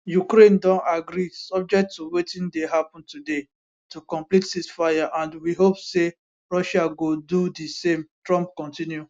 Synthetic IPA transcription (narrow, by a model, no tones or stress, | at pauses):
jukɾẽndɔ̃naɡɾisɔb̚d͡ʒɛk̚tːuwetĩndeɦapɔ̃ntude | tukɔ̃mplithisfajaʔãndwiɦopse | ɹɔʃaɡodudisẽmtɹɔ̃mp̚kɔ̃ntĩnju